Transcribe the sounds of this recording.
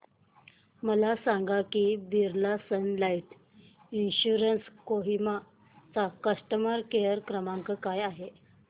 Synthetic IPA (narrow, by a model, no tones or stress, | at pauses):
məlasaŋɡakibiɾlasənlaiʈ | inɕuɾənskoɦima | t͡sakəʂʈəmaɾkejəɾkɾəmãŋkəkajaɦe